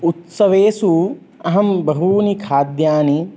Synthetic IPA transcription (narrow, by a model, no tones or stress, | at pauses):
ut̪sɐʋeːsu | ɐɦɐmbɐɦuːnikʰaːd̪jaːni